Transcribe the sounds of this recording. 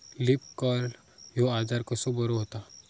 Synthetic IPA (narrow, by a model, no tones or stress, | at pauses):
lɪp̚kɔɾ | joaːd͡ʒaːɾkosobɐɾoɦot̪a